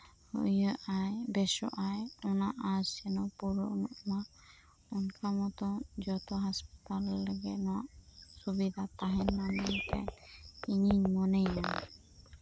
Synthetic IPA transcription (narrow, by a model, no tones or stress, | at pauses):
hə̰jəʔajbɛsɔ̰ʔajɔnaʔasɛnɔpuɾuʔnɔʔma | ɔnkamɔt̪ɔd͡ʒɔt̪ɔɦaspi̥t̪alːəɡɛt̪nɔwaʔsubid̪ʱat̪aɦɛnːamɛɲt̪ɛ̰iŋiɲmɔnɛjan